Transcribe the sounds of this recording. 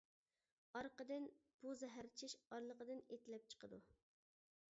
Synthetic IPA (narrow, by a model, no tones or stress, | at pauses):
ɑɾqəd̪ɪn | b̥uzɛɦæɾt͡ʃʰiʃɑɾlˠəqəd̪ɨnet̪ʰɪlɛp̚t͡ʃʰə̥qʰəd̪u